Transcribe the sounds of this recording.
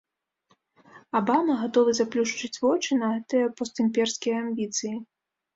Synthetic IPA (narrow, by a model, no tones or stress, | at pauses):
abamɐɣat̪ɔvɨzaplʲuʂt͡ʂɨt͡sʲvɔt͡ʂɨnɐɣɛt̪ɨjɐpɔst̪ɨmʲpʲɛrskʲijɐamʲbʲit̪sɨji